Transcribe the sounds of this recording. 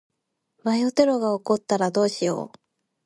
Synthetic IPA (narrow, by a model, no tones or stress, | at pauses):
βajot̪e̞ɾo̞ɡaoko̞t̪ːaɾad̪o̞ːɕijo̞̰ː